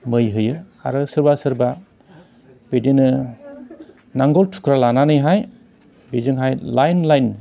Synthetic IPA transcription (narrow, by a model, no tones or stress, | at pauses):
mɯjɦɯjɯ | a̰ɾɯsɯɾbasɯɾba | b̥edenɯ | naŋɡɔltʰu̥kʰɾalananɯjɦaj | bezɯŋɦajlajnlajn